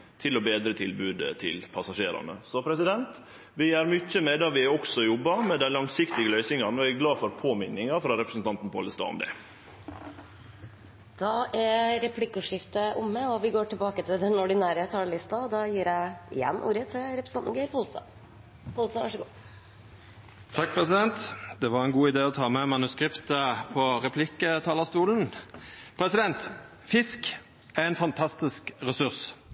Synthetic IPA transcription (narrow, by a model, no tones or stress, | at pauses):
t̪ʰɪlɔbeːd̪ɾət̪ʰɪlbʉːd̪ət̪ʰɪ̰lpʰɑsɑʂeːɾɑ̰nə̰sɔpʰɾɛsɪd̪ɛnt̪ | ʋɪæɾmʏcːəmɛd̪ɑʋɪɔksɔjɔbːɑmɛd̪ænlɑŋsɪkt̪ɪɡəlœʏsɪŋɑnɔæɡlɑːfɔɾpʰoːmɪnːɪŋɑfɾɑɾɛpɾəsn̩t̪ɑnt̪n̩pʰo̰ləst̪ɑ̰ːʊ̰md̪ɛ̰ | d̪̥ɑʔæɾɛpʰlɪkːʉːʂɪft̪əʔʊmːəɔʋɪɡoːʈɪlbɑːkət̪ʰɪld̪ɛnɔɖɪnæːɾet̪hɑɖlɪst̪ɑd̪ɑjiːɾæɪɪjɛ̰nːʔṵːɾət̪ʰɪlɾɛpɾəsɑnn̩ːɡeɪɾpʰuːlsɑ̰ | puːlsɑʋæʂəɡuː | t̪ʰɑk̚ːpʰʁɛsɪd̪ɛnt̪d̪ɛʋɑʁɛnɡuːɪd̪eːɔt̪ʰɑːmɛmɑnʉskʁɪpt̪əpʰɔʁɛpʰlɪkːət̪ʰɑːləʁst̪uːlənpʰɾɛsɪd̪ɛnt̪ | fɪsk | æʁɛnfɑnt̪ʰɑst̪ɪskʁɛsʉʁs